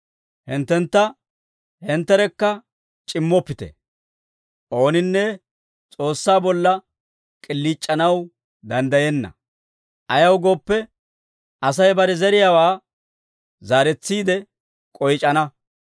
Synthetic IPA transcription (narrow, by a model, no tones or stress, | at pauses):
hɪnt̪ːɛnt̪ːɐ | hɛnt̪ːɛɾɛkːɐ | t͡ʃʼɪmːɔpːɪt̪ɛ̰ | ʔo̞ːnɪnːɛ | t͡sʼo̞ːsːaːbɔlːɐ | kʼɪlːiːt͡ʃʼːɐnɐw | d̪ɐnd̪ɐjɛnːɐ̰ | ʔɐjɐwɡo̞ːpːɛ | ʔɐsɐjbɐɾɛzɛɾɪjaːwaː | zaːɾɛt͡sːiːd̪ɛ | kʼɔjt͡ʃʼɐnɐ